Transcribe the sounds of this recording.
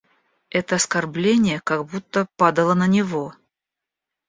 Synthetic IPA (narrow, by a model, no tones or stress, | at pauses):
ɛt̪əɐskɐrblʲenʲɪjəkaɡbut̪ːəpad̪əlˠənənʲɪvo̞